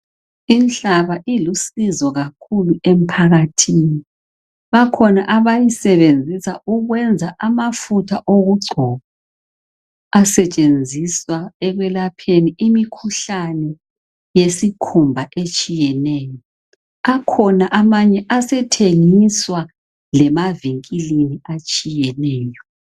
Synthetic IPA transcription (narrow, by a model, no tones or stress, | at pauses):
int͡ɬaβaʔilusizɔɣakʰuluem̩pʰaɣatʰini | βakʰɔnaʔaβajisɛβend͡zʱisauɣwɛnd͡zʱaʔamafutʰaʔoɣuɡ͡ǀʱɔβa | asɛt͡ʃʼend͡zʱiswaɛɣwɛlapʰeniʔimikʰuɬanɛ | jesikʰumbʱaʔet͡ʃʼijɛnɛːjɔ | akʰɔnaʔamaɲɛʔasɛtʰeŋiswa | lɛmaviŋkʼiliniat͡ʃʼijɛnɛːjɔ